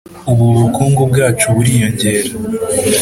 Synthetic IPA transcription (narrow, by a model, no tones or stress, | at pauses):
uβuɾukʰuːŋɡobɡaːt͡ʃuβuɾijo̞ɲɟe̞ːɾa